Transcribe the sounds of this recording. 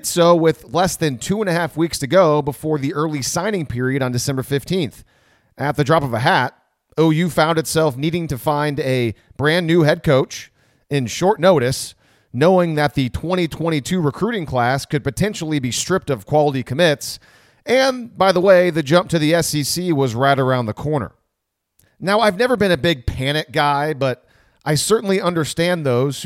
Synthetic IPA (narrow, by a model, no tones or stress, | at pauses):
tsoʊwɪðlɛsðɨ̃ntʰʉə̃nɨhæfwikstɨɡoʊbəfɔɹðiʔɜ˞lˠisãɪ̃ñɪ̃ŋpʰɪɹiɨɾn̩dɨsɛ̃mbə˞fɪftʰĩnθ | ɨt̪̚ðɨdɹɑpʌvəɦæɾ | oʊjʉfãʊ̃ndɨtsɛlˠfniɾɪ̃ŋtɨfãɪ̃ndɨb̥ɹæ̃nːʉɦɛd̚kʰoʊt͡ʃ | ɨ̃nʃɔɹtⁿnoʊɾɨs | noʊɪ̃ŋðɨt̪̚ðɨtʰw̥ɛ̃ɾ̃itʰw̥ɛ̃ɾ̃itʰʉɹɨkʰɹ̥ʉɾɪ̃ŋkʰl̥æskɨd̚pɨtʰɛ̃nʃl̩ˠibistɹ̥ɪp̚tʌv̥kʰw̥ɑlˠəɾikʰɨmɪts | ɨ̃nbaɪðəweɪðɨd͡ʒʌ̃mp̚tʰɨðiɛsisiwʌzɹaɪɾə˞ãʊ̃nðɨkʰɔɹnə̰˞ | naʊaɪvnɛvə˞bɨ̃ñɨbɪɡ̚pʰæñɨt̚ɡ̥aɪbʌɾ | ʔaɪsɜ˞ʔn̩liʌ̃ndə˞stæ̃nðoʊz̥